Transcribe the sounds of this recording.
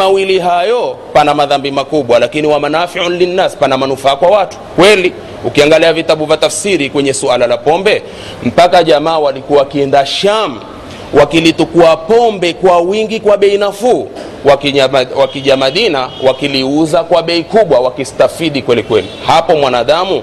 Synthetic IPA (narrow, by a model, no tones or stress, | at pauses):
awiliɦajɔpanamaðambimakuɓwalakiniwamanafiʕnlinːaspanamanufaːkwawatu̥kwɛli | ukiaŋɡaliavitaɓuvjatafsiɾikwɛɲɛsualalapɔmbɛ | m̩pakaʄamaːwalikuawakiɛndaʃami | wʔakilitukuapɔmbɛkwawiŋɡikwaɓɛinafuː | wawakiʄamaɗinawakiliuzakwaɓɛikuɓwawakistafiɗikwɛlikwɛlḭhapɔmwanaːɗamu